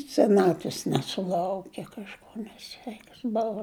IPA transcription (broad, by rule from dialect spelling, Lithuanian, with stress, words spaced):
sʲɛˈnɑːtʲʋʲɪs nʲɛsʊˈlˠɐʊkʲɛ kɐʃˈkoː nʲɛˈsʲʋʲɛɪkɐs ˈboːʋɐ